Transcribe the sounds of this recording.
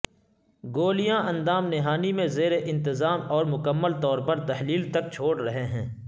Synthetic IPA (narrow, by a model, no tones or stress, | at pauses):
ɡoːlijãʔɐ̃nd̪aːmnɪɦaːnimẽzeːɾeʔɪ̃nt̪ɪzaːmɔːɾmʊkəmːəlt̪ɔːɾpɐɾt̪ɐɦliːlt̪ɐk̚t͡ʃʰoːɽɾɐɦeɦɛ̃ː